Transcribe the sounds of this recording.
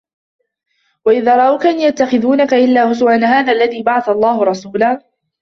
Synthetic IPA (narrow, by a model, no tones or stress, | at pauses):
waʔɪðaːɾˤɑʔawkaʔanjat̪ːaxɪðuːnakaʔɪlːaːhʊs̬ʊʔanːaɦaːðaːʔlːaðiːbaʕɑθalˤːɑːhʊɾˤɑsuːlaː